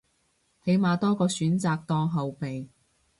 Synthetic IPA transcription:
he˨˥jmaː˨t̪ɔː˥kɔː˧syː˨˥nt͡saː˨˧k̚t̪ɔː˥ŋɦɐ˨wpe˨j

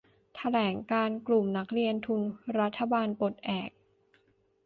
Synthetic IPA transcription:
t̪ʰa˧lɛː˩˦ŋkaː˧nklu˨˩mna˦˥k̚ɾi˧ənt̪ʰu˧nɾa˦˥t̪ʰːa˧baː˧npo˨˩t̪̚ʔɛː˨˩k̚

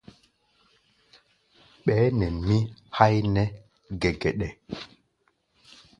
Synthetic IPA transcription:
ɓɛː˨˦nɛ˨nmi˦ha˦jnɛ˦ | ɡɛ˨ɡɛ˨ɗɛ˨

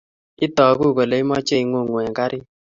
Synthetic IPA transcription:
i˦tɔ˨ku˦˨ko˨le˨˦i˦mɔ˦t͡ʃe˦˨i˨ŋo˦˨ŋwɛ˨ŋka˦ɾʔɪ˦

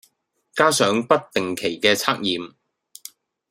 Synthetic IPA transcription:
kaː˥sœː˨˥ŋpɐ˥t̚t̪ɪ˨ŋkʰe˨˩jkɛː˧t͡sʰaː˥k̚jiː˨m

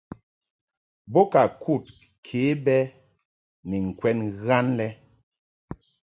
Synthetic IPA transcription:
bo˦ka˨kʰu˦˨t̚ | kʰe˨˦bɛ˦ | ni˨ŋ̩˨kwɛ˦nɣa˦nlɛ˦

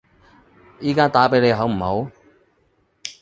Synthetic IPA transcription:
jiː˥kaː˥t̪aː˨˥pe˨˥jle˨˧jɦɐ˨˥wm̩˨˩ho˨˥w

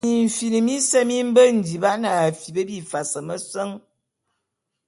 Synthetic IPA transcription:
i˨m̩˨fi˨nɨ˨mi˦sɛ˦mi˦m̩˦bə˦n̩˨di˨ba˦na˨a˨fi˨bə˦bi˦˨fa˨sə˨mə˦sə˦ŋ

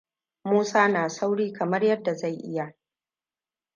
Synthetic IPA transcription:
muː˦saː˦naː˨sa˦wɽiː˦kɐ˨mɐ˦rjɐ˦dːa˨za˦˨jʔɪ˦ja˨

